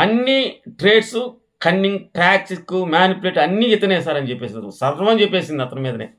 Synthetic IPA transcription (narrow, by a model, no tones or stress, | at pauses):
ɐnːiʈɾe̞ːɖs | kɐnːiŋɡʈɾaːk̚t͡ʃikːumaːnipuleːʈɐnːiit̪ːɐnɛːsaːɾɐnit͡ʃepːe̞ːsind̪sɐɾɦɐmɐnt͡ʃepːe̞ːsind̪iɐt̪ːɐnɐmiːd̪ɐneː